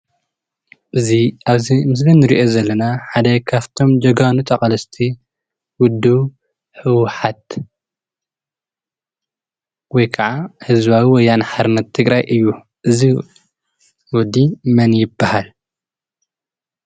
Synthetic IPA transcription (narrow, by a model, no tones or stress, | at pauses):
ʔɨziʔaβzimɨs̬binːɨɾiʔo̞zɐlːɐnaħad̪ɐkʰaβt̪ʰo̞md͡ʒɐɡanut̪ʼɐkʼɐlɐst̪ʰi | wʊd̪ːi | ħɨwħat̪̚ | wɔjkʰɐʕahɨzβawiwɔjːanħaɾɨnːɐt̪ʰːɨɡɾajʔɨjːu | ʔɨzi | wɔd̪ːimɐnjɪbːahal